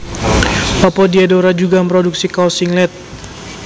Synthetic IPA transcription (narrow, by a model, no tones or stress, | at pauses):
papɔdiadoɾad͡ʒuɡampɾɔduk̚sikasiŋlɛt̪̚